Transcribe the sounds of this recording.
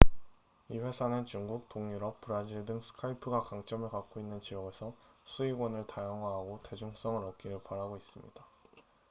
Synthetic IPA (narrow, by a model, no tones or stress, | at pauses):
iɸwe̞sʰanɯnt͡ɕuŋɡuk̚t͈oŋɲuɾʌp̚p͈ɯɾad͡ʑiɭdɯŋsʰɯ̥kʰaipʰɯɡakaŋt͡ɕ͈ʌmɯɭkak̚k͈oinːɯnt͡ɕijʌɡe̞sʰʌsʰuiɡwʌnɯɭtajʌŋɦwaɦaɡote̞d͡ʑuŋs͈ʌŋɯɭʌk͈ʰiɾɯɭpaɾaɡois͈ɯmɲid̥a